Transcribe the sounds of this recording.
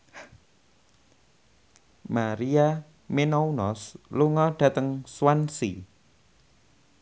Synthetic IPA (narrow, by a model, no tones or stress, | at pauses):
maɾia | menɔunɔsluŋɔɖ̥ä̤t̪əŋswansi